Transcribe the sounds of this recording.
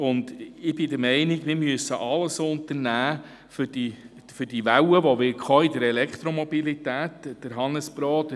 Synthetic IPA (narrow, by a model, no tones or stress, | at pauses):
ʊndɪb̥ɪdəɾmɛɪnɪɡmɪːɾmyəsːəʔɑləsoʊnt̪əɾnæː | fʏd̥i | fʏdiʋæwəʋoʋɪkχɔidəɾɛlɛkχt̪ɾomɔbilit̪æːtd̥əɾɦɑnəsb̥ɾɔːdə